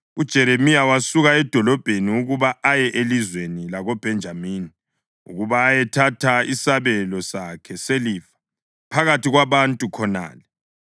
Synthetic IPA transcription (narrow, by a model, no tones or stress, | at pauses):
ud̥ʒ̥ʱɛɾemijawasuɣaɛd̥ʱɔlɔb̥ʱeniuɣuβaajɛʔelizwenilaɣob̥ʱɛnd͡ʒʱamiːni | ṵɣuβaːjɛtʰatʰaisaβɛlɔsakʰɛseliːfḁ | pʰaɣatiɣwaβantʼukʰɔna̰ːlɛ